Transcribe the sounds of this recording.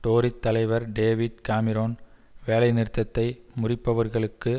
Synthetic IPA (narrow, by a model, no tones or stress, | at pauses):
ʈoːɾɪt̪ːɐlɐɪʋɐɾɖeːʋɪɖ̚kaːmɪɾoːnʋeːlɐɪnɪɾt̪ːɐt̪ːɐɪmʊrɪpːɐʋɐɾɣɐɭɯkːɯ